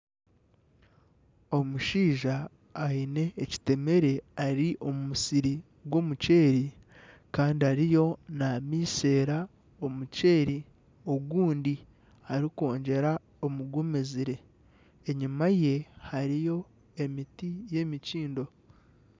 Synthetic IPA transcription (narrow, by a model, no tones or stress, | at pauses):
o̞muʃiːʒaː | ine̞ːci̥te̞me̞ɾe̞aɾiʔo̞mumusiɾi | ɡwo̞muce̞ːɾi | kaːndiaɾijo̞namiːse̞ːɾa | o̞muce̞ːɾi | o̞ɡuːndi | haɾiko̞ːɲɟe̞ɾa | o̞muɡumeziɾe̞ː | ɲimaje̞haɾijo̞ | e̞mitije̞miciːndo̞